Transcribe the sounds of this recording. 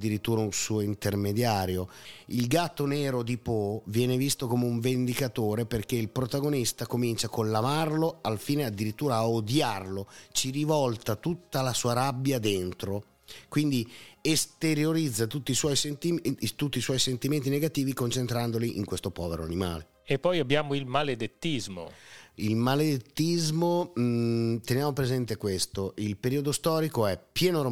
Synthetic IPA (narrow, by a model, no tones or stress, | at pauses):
d̪ːiɾit̪ːuːɾaunsuːoint̪ermed̪jaːɾjoilɡat̪ːonɛːɾod̪ipovjɛːnevist̪okomeuɱvend̪ikat̪oːɾeperk̟eilpɾot̪aɡonist̪akomint͡ʃakolːamarloalfiːnead̪ːiɾit̪ːuːɾaːod̪jarlot͡ʃiɾivɔlt̪at̪ut̪ːalasuːaɾabjad̪ent̪ɾo | kwind̪iest̪eɾjoɾid̪zːat̪ut̪ːiːswɔjsent̪imt̪ut̪ːiːswɔjsent̪iment̪ineɡat̪iːvikont͡ʃent̪ɾand̪oliʔḭŋkwest̪opɔːveɾoa̰nima̰ːle | epːɔjabːjaːmoilmaled̪et̪ːizmo̰ilmaled̪et̪ːizmo | t̪enjaːmopɾezɛnt̪ekwest̪oʔilpeɾiːod̪ost̪ɔːɾikoɛpːjɛːnoɾ